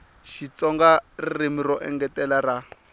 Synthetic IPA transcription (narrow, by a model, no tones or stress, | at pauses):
ʃit͡sɔŋɡarrimirɔʔɛ̰ŋɡɛtɛlara